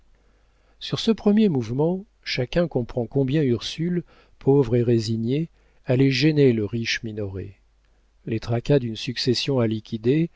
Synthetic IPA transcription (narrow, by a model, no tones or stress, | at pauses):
syʁsəpχəmjemuvmɑ̃ | ʃakʲɛ̃kɔ̃pχɑ̃kɔ̃bjɛ̃yʁsyl | pʰovʁeʁeziɲe | alɛʒɛneləʁiʃminɔʁḛ | let̪χakad̪ynsyksesjɔ̃alikʲʰid̪e